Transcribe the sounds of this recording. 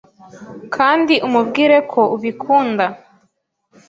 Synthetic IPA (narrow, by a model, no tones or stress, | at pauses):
kʰaːndiʔumubɡiːɾe̞kʰo̞uβikʰuːnda